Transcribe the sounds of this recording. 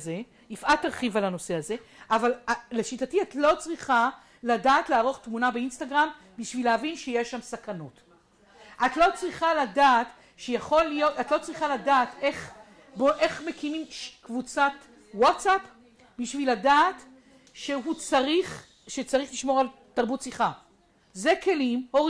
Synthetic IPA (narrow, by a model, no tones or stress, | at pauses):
ze̞ | ifʔatːaʁχivalano̞se̞haze̞ʔavalaleʃitatiatlo̞t͡sʁiχa | ladaːtlaːʁo̞χtmunabeinstaɡʁam | biʃvileavinʃejeʃːamsakanot | ʔatlo̞t͡sʁiχaladaːt | ʃejaχo̞lijo̞tatlo̞t͡sʁiχaladaːte̞χ | boʔe̞χmekimimʃkvut͡sat | watsap | biʃviladaːt | ʃeɦut͡saʁiχ | ʃet͡saʁiχliʃmo̞ʁal | taʁbutsiχa | zeke̞limho